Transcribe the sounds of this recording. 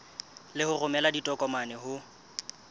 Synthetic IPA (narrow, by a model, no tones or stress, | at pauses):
lɪhʊrʊmɛladitʼɔkʼɔmanɛhʊ